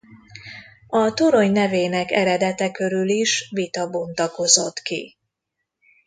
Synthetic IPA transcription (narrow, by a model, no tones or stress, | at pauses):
ɒt̪oɾo̞ɲnɛveːnɛkɛɾɛd̪ɛt̪ɛkøɾyliʃʋit̪ɒbo̞nt̪ɒko̞zo̞t̪kḭ